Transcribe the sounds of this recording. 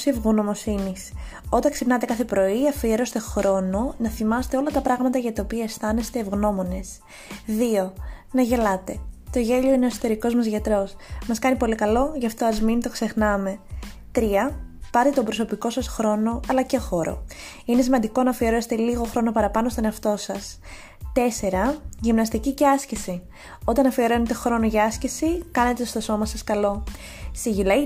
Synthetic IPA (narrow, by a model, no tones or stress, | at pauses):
sivɣuno̞mo̞sinis | o̞t̪ɐŋksipnɐt̪ekɐθe̞pɾo̞iɐfieɾo̞st̪e̞xɾo̞no̞nɐθimɐset̪eo̞lɐt̪ɐpɾɐɣmɐt̪ɐʝɐt̪ɐopiɐest̪ɐne̞st̪e̞ːvɣno̞mo̞ne̞s | ðio̞nɐʝe̞lɐt̪e̞t̪o̞ʝe̞ʎo̞ineso̥t̪e̞ɾiko̞zmɐzʝɐt̪ɾo̞smɐskɐnipo̞likɐlo̞ʝɐft̪o̞ɐzminit̪o̞kse̞xnɐme̞t̪ɾiɐpɐɾt̪et̪obɾo̞so̞piko̞sɐsxɾo̞no̞ɐlɐcexo̞ɾo̞̰ | ine̞s̬imɐnd̪iko̞nɐfie̞ɾo̞set̪eliɣo̞xɾo̞no̞pɐɾɐpɐnost̪o̞neɐft̪o̞sɐs | t̪e̞se̞ɾɐʝimnɐst̪iciceɐscisi | o̞t̪ɐnɐfioɾo̞net̪exɾo̞noʝɐɐscesikɐne̞t̪est̪oso̞mɐsɐskɐlo̞ | siʝilɐj